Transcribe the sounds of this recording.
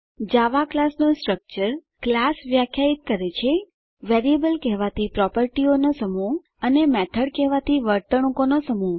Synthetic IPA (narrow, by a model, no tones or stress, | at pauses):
d͡ʒaʋaklasnosʈɾək̚t͡ʃəɾ | klasʋjakʰjait̪̚kəɾet͡ʃʰe | ʋeɾiebəlkɛɦʋat̪ʰipɾɔpəɾʈionosəmu | ənemɛt̪ʰəɽkɛɦʋat̪ʰiʋəɾt̪əɽ̃ũkonosəmu